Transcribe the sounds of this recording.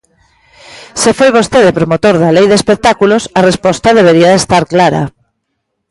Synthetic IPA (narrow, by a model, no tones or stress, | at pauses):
sefojβost̪eðepɾomot̪oɾðɐlejðespek̚t̪akulosɐrespɔst̪ɐðeβ̞eɾiɐðest̪aɾklaɾɐ̰